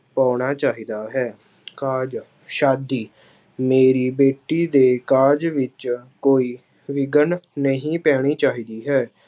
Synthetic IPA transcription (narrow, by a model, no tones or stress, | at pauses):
pãːɽ̃aːt͡ʃaːɦiːd̪aːɦɛː | kaːd͡ʒ | ʃaːd̪iː | meːɾiːbeːʈːiːd̪eːkaːd͡ʒʋɪt͡ʃkoːiː | ʋɪɡənnəɦĩːpɛːɽ̃iːt͡ʃaːɦiːd̪iːɦɛː